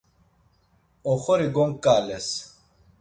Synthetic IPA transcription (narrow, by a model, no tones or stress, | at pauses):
ɔχɔɾiɡɔŋkʼːaːlɛs